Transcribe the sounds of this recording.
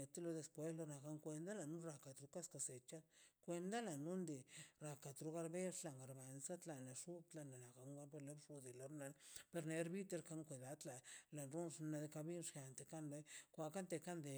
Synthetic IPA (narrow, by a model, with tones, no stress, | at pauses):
e˨t̪e˦lo˧d̪e˧spwe˦slo˧na˨ka˧ŋkʷe˧nd̪a˦la˨nu˦ɾa˧˨ka˨t̪ɾu˦ka˦ska˧se˨t͡ʃa˦kʷe˧nd̪a˦la˨nu˦nd̪e˨ɾa˨ka˨t̪ɾu˧˦ɣa˧ɾbe˦ʂla˧˨ŋɡa˨ɾba˨nsa˦t̪la˨na˨ʂu˦t̪la˧na˨na˨ka˨ŋɡa˧˦ɾbe˧le˦bʂu˧d̪e˨la˨ɾna˧pe˧ɾna˧e˧˦ɾbi˦t̪e˧ɾka˧ŋkʷe˨d̪a˧t̪la˨la˨nɾu˦nʂna˧d̪e˧ka˧bi˦nʂja˧˨nt̪e˨ka˦nɾe˦kʷa˧˨ka˦nt̪e˧ka˦nd̪e˨